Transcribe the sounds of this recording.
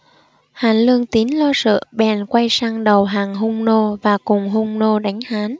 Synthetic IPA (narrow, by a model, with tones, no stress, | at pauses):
haː˨˦nlɨ˧əŋt̪i˨˦nlɔ˧sɨ̰˧˨ɓɛ˨˩nkwa˧jsaː˧ŋɗə˨˩wɦaː˨˩ŋɦʊ˧ŋ͡mno˧vaː˨˩kʊ˨˩ŋ͡mɦʊ˧ŋ͡mno˧ɗa˨˦jŋ̟haː˨˦n